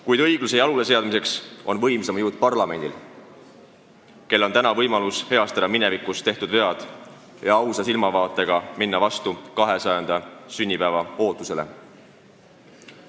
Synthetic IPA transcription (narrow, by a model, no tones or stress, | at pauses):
kujd̪ɤjɡ̥luse̞jɑlule̞se̞ɑd̪mis̬e̞ksʔo̞nvɤjmsemɑjuːd̪̚pɑrlɑme̞nʲd̪̥il | ke̞lːo̞nt̪ænɑvɤjmɑlushe̞ɑst̪ɑd̪̥ɑmine̞vikːˑust̪e̞ht̪ud̪ve̞ɑd̪̥ | jɑɑwsɑsilmɑvɑːt̪ːˑe̞ɡ̥ɑminːɑvɑst̪ukɑɦe̞sɑjend̪̥ɑsynʲːipævɑo̞ːt̪ːˑuse̞le̞̰